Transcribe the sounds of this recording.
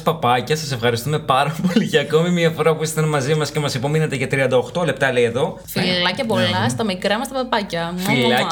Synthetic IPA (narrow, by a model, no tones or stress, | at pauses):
spɐpɐcɐsɐse̞fxɐɾist̪ume̞pɐɾɐpo̞liceɐko̞mimiɐfo̞ɾɐpuist̪ɐnmɐzimɐscemɐsipo̞minɐt̪e̞ʝɐt̪ɾiɐnd̪ɐoxt̪o̞le̞p̚t̪ɐle̞ieðo̞fiɐcɐpo̞lɐst̪ɐmikɾɐmɐst̪ɐpɐpɐcɐffilɐ